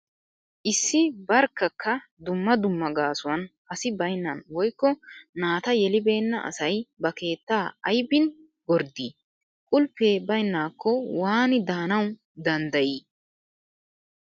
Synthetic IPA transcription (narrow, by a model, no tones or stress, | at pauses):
ʔɪsːɪbɐɾkːɐkʰːɐd̪ʊmːɐd̪ʊmːɐɡaːsʊwɐnʔɐsɪbɐjnːɐnwɔjkːɔnaːt̪ɐjɛlɪbe̞ːnːɐʔɐ̰sɐjbɐke̞ːt̪ːaːɐjbɪn | ɡɔɾd̪iː | kʼʊlpːe̞ːbɐjnːaːkʰːɔwaːnɪd̪aːnɐw | d̪ɐnd̪ɐjiː